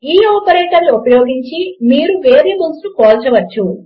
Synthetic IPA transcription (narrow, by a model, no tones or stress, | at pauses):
iːɔːpɐɾeːʈɐluupɐjoːɡiɲt͡ʃimiːɾuʋe̞ːɾeːmulslukoːlt͡ʃɐʋɐt͡ʃːu